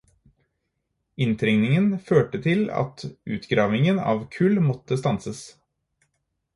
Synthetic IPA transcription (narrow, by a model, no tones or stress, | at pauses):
ɪnt̪ʰɾɛŋnɪŋənføːʈət̪ʰɪlɑ̰t̪ʔʉːt̪ɡɾɑːʋɪŋənɑ̰ːʋkʰʉlmɔt̪əst̪ɑnsəs